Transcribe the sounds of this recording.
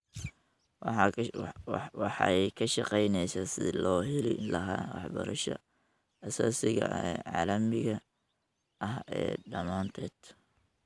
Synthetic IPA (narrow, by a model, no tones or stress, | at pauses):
wɑħɑjkʰɐʃɑqɛjnɛjsasɪ̰lɔːɦɛlɪlɐɦaːwɑħbɐ̰ɾɐʃɐ̰ | ɐsaːsɪɣɐʔɛːʕɑ̰ːlɐmɪɣɐ | ʔɐɦɛ̰ːɖɐmaːnt̪ʰɛːd̪̥